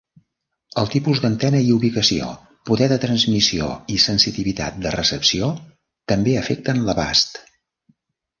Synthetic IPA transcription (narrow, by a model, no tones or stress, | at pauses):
əlˠt̪ipuzd̪ənt̪ɛnəiuβikəsio̰ | puðɛðət̪ɾənzmisio̰isənsit̪iβit̪a̰t̪̚d̪ərəsəpsio | t̪əmbeəfɛk̚t̪ənləβa̰st̪